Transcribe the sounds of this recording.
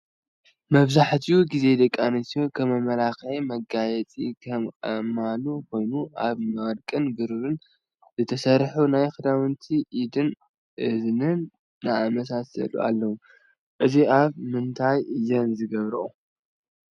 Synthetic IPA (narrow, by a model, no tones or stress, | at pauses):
mɐβzaħt̪ʰiuɡize̞d̪ɐkʼːanɐsjokʰɐmɐmɐlaxʕemɐɡajɛt͡sʼikʰɐmkʼɐmalukʰo̞jnuʔaβmɐwɾkʼɨnbɨɾɨɾɨn | zɨt̪ʰɐsɐɾħunajxɨd̪awɨnt̪ʰiʔid̪ɨn | ʔɨznɨnː | aamɐs̬asɐ̰lṵʔa̰lːɐwu | ʔɨziaβmɨnt̪ʰajɨjːɐnzɨɡɐβɾɨʔu